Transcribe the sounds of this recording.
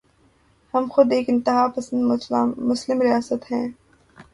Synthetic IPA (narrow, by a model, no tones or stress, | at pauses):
hɐmxʊd̪eːkɪ̃nt̪ɪɦaːpɐsə̃nd̪mʊslɪmɾijaːsət̪ɦɛ̃ː